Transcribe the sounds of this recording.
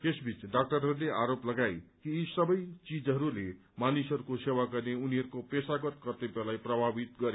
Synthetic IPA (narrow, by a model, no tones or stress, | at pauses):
t̪esbʱit͡sɖak̚ʈʌɾɦʌɾuleaɾoplʌɡajkiːsʌbʌjt͡sid͡zʌɾule | manisʌɾukosewaɡʌrneuniɦʌɾukopesaɡʌt̪kʌrt̪ebelajprʌbʱabit̪ɡʌɾe